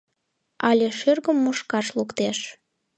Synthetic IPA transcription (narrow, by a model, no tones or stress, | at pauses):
ɑlʲeʃørɣəmːuʃkɑʃlukt̪eʃ